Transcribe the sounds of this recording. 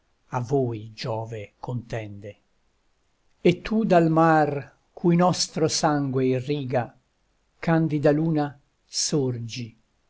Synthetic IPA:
avoːjd͡ʒɔːvekʰont̪ɛnd̪e | et̪ʰːud̪almar | kʰujnɔst̪ɾosaŋɡweiriːɡa | kand̪id̪aluːna | surd͡ʒi

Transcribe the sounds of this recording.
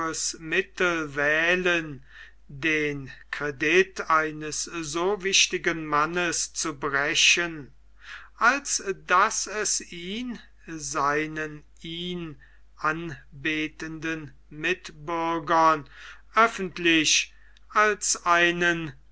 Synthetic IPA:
əsmɪtl̩vɛːlən | deːnkʁɛdɪtʰaɪnəsz̥oːvɪʃtɪɡənmanəst͡subʁɛɕən | ʔalsd̥asɛsiːn | zaɪnən | iːn | ʔanbeːtəndən | mɪtbʏɐɡɐnʔœfn̩tlɪç | ʔalsʔaɪnən

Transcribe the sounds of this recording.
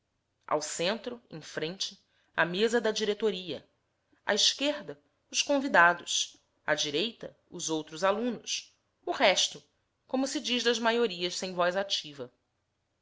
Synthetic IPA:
ʔa̰wsẽnt̪ɾʊḛ̃fɾẽnt͡ʃɪ | ɐ̰mezɐd̪ɐd͡ʒiɾet̪oɾiɐ̰ | ɐ̰iʃkeɾd̪ɐ | ʊʃkõvid̪ad̪ʊs | ɐ̰d͡ʒiɾejt̪ɐ̰ | ʊzowt̪ɾʊzalũnʊs | uhɛʃt̪ʊ | kõmʊsɪd͡ʒiʒd̪ɐzmajoɾiɐʃsẽj̃vɔjzat͡ʃivɐ

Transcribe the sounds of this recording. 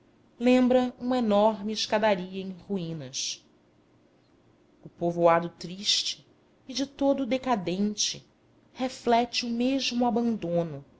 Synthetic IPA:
lẽmbɾɐũmɐenɔɾmɪːʃkad̪aɾiɐẽj̃χuĩnɐʃ | ʊpovoad̪ʊt̪ɾiʃt͡ʃɪ̥ː | d͡ʒɪt̪od̪ʊːd̪ekad̪ẽnt͡ʃɪ | heflɛt͡ʃɪʊmeʒmʊabɐ̃nd̪õnʊ

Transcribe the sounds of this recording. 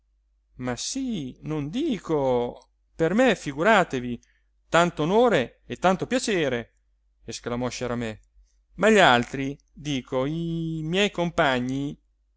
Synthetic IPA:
masinond̪iːko | permefiɡuɾaːt̪evi | t̪ant̪oːnoːɾe | et̪ːant̪opjat͡ʃeːɾe | esklamɔʃaɾamɛ | maʎːalt̪ɾi | d̪iːkʰoimjɛjkompaɲːi

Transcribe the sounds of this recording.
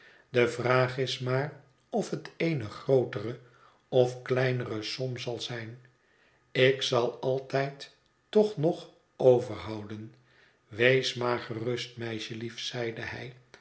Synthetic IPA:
dəvraːχɪsmaːr | ɔfɦəteɪjnəχrowtərə | ɔfklɛjnərəsɔmzɑlˠzɛjn | ɪksɑlˠɑlˠtɛjtː | ɔχnɔχ | owvəɹɦɑwdən | ʋejsmaːɹχərɵstmɛjʃəlifsɛjdəɦɛ̰j

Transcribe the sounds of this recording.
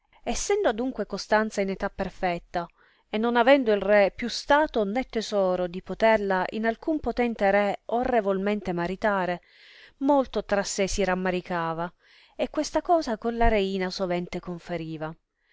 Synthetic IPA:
esːɛnd̪oad̪uŋkwekost̪ant̪sainet̪apːerfɛt̪ːa | enːonavɛnd̪oilrɛpːjust̪aːt̪onɛt̪ːezɔːɾod̪ipot̪erlaʔḭnalkumpot̪ɛnt̪eɾɛorːevolment̪emaɾit̪aːɾe | molt̪ot̪ɾasːesiɾamːaɾikaːva | ekːwest̪akɔːzakonlaɾeiːnasovɛnt̪ekoɱfeɾiːva

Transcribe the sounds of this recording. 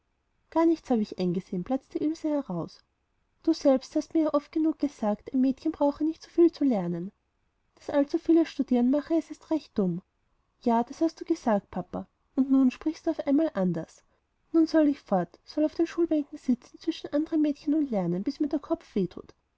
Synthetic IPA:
ɡ̥aːɐnɪçtt͡shaːbəɪçʔaɪnɡəzeːnb̥lat͡sd̥iʔʏlsəhɛʁaʊs | d̥uːzɛlpsthastmiːɐjaʔɔft̚ɡ̥ənuːk̚ɡ̥əzaːktaɪnmɛːtçənbʁaʊxənɪçtsofiːlt͡sulɛɐnən | d̥asʔalt͡sufiːləʃtud̥iːʁənmaχəɛsɪstʁɛçt̚d̥ʊm | jaːd̥ashast̚d̥uːɡ̥əzaːk̚t̚pʰapa | ʊntnuːnʃpʁ̥ɪçstduːaʊfʔaɪnmaːlʔandɐs | nuːnsɔlɪçfɔɐtsɔlaʊfd̥eːnʃuːlbɛŋkŋ̩zɪt͡sn̩t͡sv̥ɪʃn̩ʔandəʁəmɛːtçənʊntlɛɐnənb̥ɪsmiːɐd̥eːɐkʰɔpp͡fv̥eːtʰṵːt

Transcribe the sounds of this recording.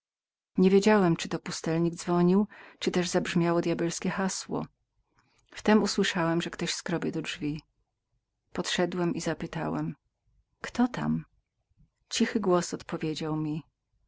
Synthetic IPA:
ɲevʲjed͡ʑawɛmt͡ʂɘt̪ɔpust̪ɛlɲiɡd̪zvɔɲiwt͡ʂɨt̪ɛʐzabʐmʲjawɔd̪jabɛlskʲɛxaswɔ̰ | ft̪ɛmuswɘʂawɛmʐɛkt̪ɔɕskɾɔbʲjɛd̪ɔdʐvʲi | pɔt̪ʂɛd̪wɛmʔizapɘt̪a̰wɛ̰m | kt̪ɔt̪a̰m | t͡ɕixɘɡwɔsɔt̪pɔvʲjed͡ʑawmʲi

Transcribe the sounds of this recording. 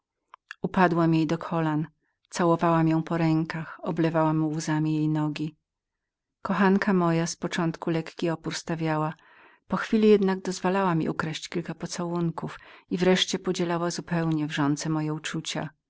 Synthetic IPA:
upad̪wamjejd̪ɔkʰɔlan | t̪sawɔvawamjɔ̃w̃pɔɾɛŋkaxɔblɛvawamuwuzamʲijejnɔɡʲi | kɔxankʰamɔjaspɔt͡ʂɔnt̪kulɛkkʲiɔpuɾst̪avʲjawa | pɔxfʲilʲijɛd̪naɡ̚d̪ɔzvalawamʲḭʔukɾɛɕt͡ɕkʲilkapɔt̪sawuŋkufivɾɛʂt͡ɕɛpɔd͡ʑɛlawazupɛwɲɛvʐɔnt̪sɛmɔjɛut͡ʂut͡ɕa̰

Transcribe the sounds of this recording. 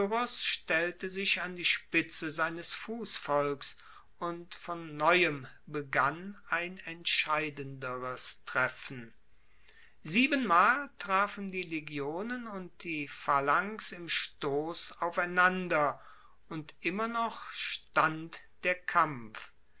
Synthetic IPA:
ʁɔsʃtɛltəzɪçandiːʃpɪt͡səzaɪnəsfuːsfɔlks | ʔʊntfɔnːɔʏəmbəɡanaɪnɛntʃaɪdəndəʁəstʁ̥ɛfn̩ | ziːbənmaːltʁ̥aːfn̩diːleɡjoːnənʊnt̚d̥iːfalaŋksɪmʃtoːsaʊfaɪnandɐ | ʊntʔɪmɐnɔχʃtantd̥eːɐkʰamf

